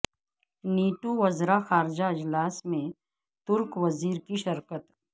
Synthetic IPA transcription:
niːʈuʋɐzɾaxaːɾɪd͡ʒaɪd͡ʒlaːsmẽ | t̪ʊɾkʋɐziːɾkiʃɐɾkət̪

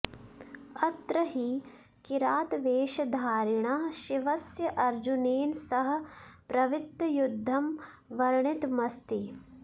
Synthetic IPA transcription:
ɐt̪ɾɐɦi | kiɾaːt̪ʋeːʃɐd̪ʱaːɾɪɳ̃aɦʃiʋɐsjɐʔɐɾd͡ʒuneːnsɐɦ̆pɾɐʋit̪ːɐjud̪ʱːɐm | ʋɐɾɳɪt̪mɐst̪i

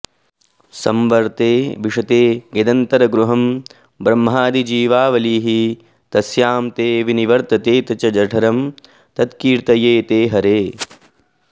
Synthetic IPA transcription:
sɐmʋɐɾt̪eːʋiʂɐt̪eːɡed̪ɐnt̪ɐɾɐɡɾuɦɐm | bɾɐmɦaːd̪id͡ʒiːʋaːʋɐliːɦi | t̪ɐsjaːmt̪eːʋiniʋɐɾt̪ɐt̪eːt̪ɐt͡ʃɐd͡ʒɐʈʰɐɾɐm | t̪ɐt̪kiːɾt̪ɐjeːt̪eːɦɐɾeː

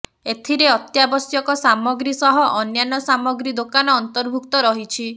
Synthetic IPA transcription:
et̪ʰiɾeɔt̪jabɔsjɔkɔsamɔɡɾisɔɦɔʔɔnjanɔsamɔɡɾid̪okanɔːnt̪ɔɾbʱukt̪ɔɾɔɦit͡ʃʰi

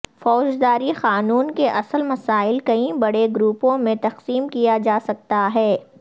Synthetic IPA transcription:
fɔːd͡ʒd̪aːɾixaːnuːnkeʔɐsəlmɐsaːɪlkɐĩbɐɽeɡɾuːpõmẽt̪ɐqsiːmkijad͡ʒaːsɐk̚t̪aɦɛː

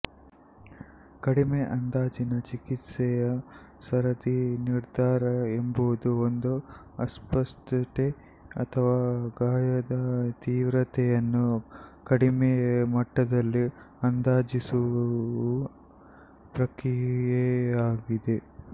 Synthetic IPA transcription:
kɐɽimeʔɐnd̪aːd͡ʒinɐt͡ʃikit̪sɛjɐ | sɐɾɐd̪iniɾd̪ʱaːɾɐembuʋud̪uond̪u | ɐspɐst̪ʈ̪e | ɐ̰t̪ʰɐʋaːɡaːjɐd̪ɐt̪iːʋɾɐt̪ʰɛjɐnːukɐɽimemɐʈːɐd̪ɐlːi | ɐnd̪aːd͡ʒisuu | pɾɐkɾijjɛaːɡid̪e̞

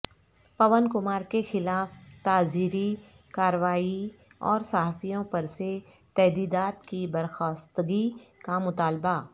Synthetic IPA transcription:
pɐʋənkʊmaːɾkexɪlaːft̪aːziːɾi | kaːɾʋaːiɔ̰ːɾsaɦaːfijõpɐɾse | t̪ɛɦd̪iːd̪aːt̪kibɐɾxaːst̪ɡikamʊt̪aːlba

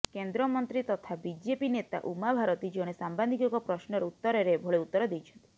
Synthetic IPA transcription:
kend̪ɾɔmɔnt̪ɾit̪ɔt̪ʰabid͡ʒepinet̪a̰ʔumabʱaɾɔt̪id͡ʒoɽ̃esamband̪ikɔkɔpɾɔsnɔɾut̪ːɔɾeɾebʱoɭeut̪ːɔɾɔd̪ejt͡ʃʰɔnt̪i̥

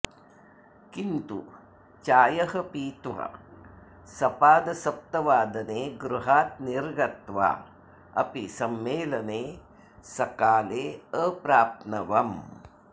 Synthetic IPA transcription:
kint̪ṵ | t͡ʃaːjɐɦɐpiːt̪ʋɐ̰ | sɐpaːd̪ɐsɐp̚t̪ɐʋaːd̪ɐneːɡɾuɦaːt̪̚niɾɡɐt̪ʋa̰ː | ɐ̰pisɐmːeːlɐneː | sɐkaːleːəpɾaːt̪nɐʋɐm

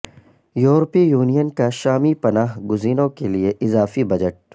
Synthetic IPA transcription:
juːɾpijuːnijənkaʃaːmipɐnaːɦɡʊziːnõkelieʔɪzaːfibɐd͡ʒəʈ̚

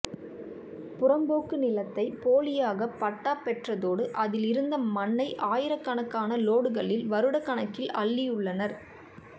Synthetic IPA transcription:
pʊrɐmboːkːɯnɪlɐt̪ːɐɪpoːɭɪjaːɣɐpːɐʈːaːpɛʈrɐðoːɽɯʔɐðɪlɪɾɯnd̪ɐmɐnːɐɪʔaːjɪɾɐkːɐɳɐkːaːnɐloːɽɯɣɐɭɪlʋɐɾɯɽɐkːɐɳɐkːɪlɐɭːɪjʊɭːɐnɐɾ

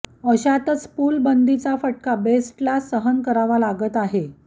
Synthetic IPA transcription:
əɕat̪ət͡spuːlbənd̪ʱit͡safəʈ̚kabesʈlasəɦənkəɾaʋalaɡət̪aɦe

